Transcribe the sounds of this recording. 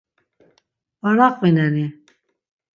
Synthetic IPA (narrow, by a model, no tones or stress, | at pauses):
vɔɾaqʼwinɛni